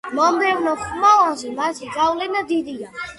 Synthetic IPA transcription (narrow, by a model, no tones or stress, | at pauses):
mɔmbɛvnɔχmɔazɛmasiɡavlɛnad̪id̪ia